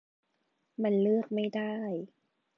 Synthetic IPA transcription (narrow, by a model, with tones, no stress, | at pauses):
ma˧nlɯ˥˩ək̚ma˥˩jda˥˩j